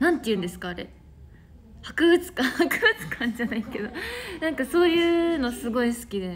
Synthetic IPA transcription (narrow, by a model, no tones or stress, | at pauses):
nãnt̪ːejɯ̟̃nd̪e̞sɨ̥kaːɾe̞̰ | hakɯ̟ɡɯ̟t͡sɨ̥kahakɯ̟ɡɯ̟t͡sɨ̥kʰãɲ̟d͡ʑanaike̞d̪o̞nãŋkaso̞ːjɯ̟ːno̞sɨɡo̞isɨ̥kʲid̪e̞